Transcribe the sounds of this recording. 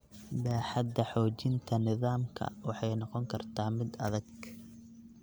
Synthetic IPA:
baːħɑd̪ɐħɔːt͡ʃɪnt̪ʰɐnɪðaːmkʰɐ̰wɑħɑjnɑqɔŋkʰɐrt̪ʰaːmɪd̪ɐ̰ðɐɡ

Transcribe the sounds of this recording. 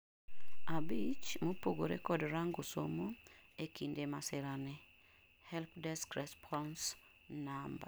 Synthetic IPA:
abit͡ʃmopoɡoɾḛkɔdɾaŋɡosomo | ekindemasɪɾanɛ | hɛlpdɛskɾɛspʰɔns | namba̰

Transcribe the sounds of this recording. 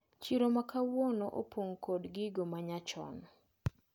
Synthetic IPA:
t͡ʃiɾomakawonoʔo̰pʰoŋkodɡɪɡomaɲat͡ʃɔ̰n

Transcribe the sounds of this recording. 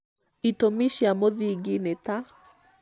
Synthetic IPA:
itomiʃiamoðiɡineta

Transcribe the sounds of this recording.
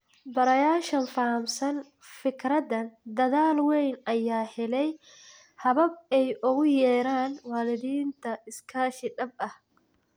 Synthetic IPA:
bɐɾɐjaːʃɐnfaːmsɐn | fɪkʰɾɐðɐnd̪ɐðaːlwɛjnʔɐjaːhɛlɛj | hɐβɐbɛjʔʊɣʊjɛːɾaːnwaːlɪðiːnt̪ʰɐɪskʰaːʃɪɖɐbɐh

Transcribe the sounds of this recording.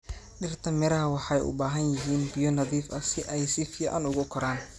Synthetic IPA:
ɖɪrt̪ʰɐmɪɾɐɦɐwɑħɑjʔʊ̰baːɦɐnjɪɦiːnbɪjɔnɐðiːfɐsɪʔɛjsɪfiːʕɑ̰nʊɣʊkʰɔɾaːn

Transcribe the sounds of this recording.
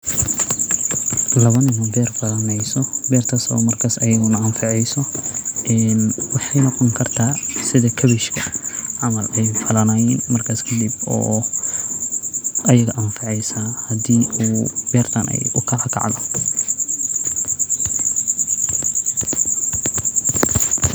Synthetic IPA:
lɐβɐnɪnɐbɛːrfɐlɐnɛjsɔbɛːrt̪ʰaːsɔ̰ːmɐrkʰaːsɐjɐɣʊnɐɐmfɑʕɛjsɔʔɛːnwɑħɑjnɔqɔŋkʰɐrt̪ʰaːsɪðɐkʰɐβiʃkʰɐʕɑmɐlɛjfɐlɐnaːjɛːnmɐrkʰaːskʰɐd̪ibɔ̰ː | ʔɐjɐɣɐʔɐmfɑʕɛjsahɐd̪iːʔuːbɛːrt̪ʰɐnɛ̰jʔʊkʰɐlɐkʰɑ̰ʕd̪ɔ

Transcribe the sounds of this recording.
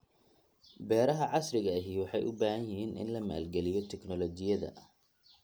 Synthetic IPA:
bɛːɾɐɦɐʕɑsrɪɣɐːɦiːwɑħɑjʔʊbaːhɐjɪɦiːnʔɪ̰nlɐma̰ːlɡɛlɪjɔt̪ʰɛknɔlɔt͡ʃɪjɐðɐ̰

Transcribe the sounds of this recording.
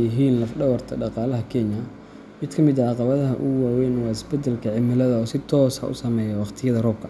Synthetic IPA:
jɪɦiːnlɐfɖɐwɐrt̪ʰɐ̰ɖɑqɑːlɐɦɐkʰɛnɐ | mɪd̪kʰɐmɪd̪ɐʕɑqɑβɐðɐɦɐʔʊwaːwɛːnwɑːɪsbɛd̪ɛlkʰɐʕɪmɪlɐðɐɔːsɪt̪ʰɔːsɐ̰ʔʊ̰sɐmɛːjɐwɑqt̪ʰɪjɐðɐrɔːb̚kʰɐ

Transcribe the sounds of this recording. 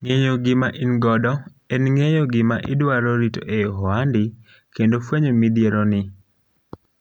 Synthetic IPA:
ŋejoɡɪmaʔinɡɔdɔ | enŋejoɡɪmaʔɪ̰dwaɾɔɾito̰ʔeɦɔandɪ | kendofweɲomid̪jeɾɔnɪ

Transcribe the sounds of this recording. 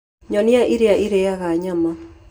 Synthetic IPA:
ɲɔniaʔiɾeaʔiɾeaɣaɲama

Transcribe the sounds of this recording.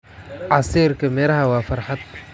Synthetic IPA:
ʕɑsiːɾkʰɐmɛːlɐɦɐwɑːfɐrħad̪̚

